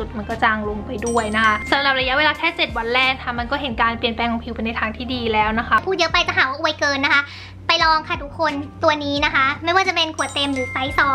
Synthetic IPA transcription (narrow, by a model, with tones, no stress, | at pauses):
u˨˩t̪̚ma˧nkɔː˥˩t͡ɕaː˧ŋlo˧ŋpa˧jdu˥˩əjna˦˥kʰa˦˥sa˨˦mɾa˨˩p̚ɾa˧ja˦˥weː˧laː˧t̪ʰɛː˥˩t͡ɕe˨˩t̪̚wa˧nlɛː˥˩ŋkʰa˦˥˩ma˧nkɔː˥˩ɦe˩˦nkaː˧npli˨˩ənplɛː˧ŋkʰɔ˧ŋpʰi˧wpa˧jna˧jt̪ʰaː˧ŋt̪ʰiː˥˩diː˧lɛː˦˥wna˦˥kʰa˦˥pʰuː˥˩jɤ˦˥pa˧jt͡ɕa˨˩ɦaː˨˩˦waː˥˩ʔu˧ə˧jkɤː˧nːa˦˥kʰa˦˥ | pa˧jlɔː˧ŋkʰa˥˩t̪ʰu˦˥kʰːo˧nt̪u˧ɐniː˦˥na˦˥kʰa˦˥ma˥˩jwaː˥˩t͡ɕa˨pe˧nkʰu˨˩˦t̪e˧mɾɯː˩˦sa˦˥jsɔː˧˦˩